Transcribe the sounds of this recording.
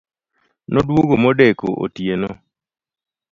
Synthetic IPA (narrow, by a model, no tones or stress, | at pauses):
nɔdwoɡomɔdekoʔo̰tjenɔ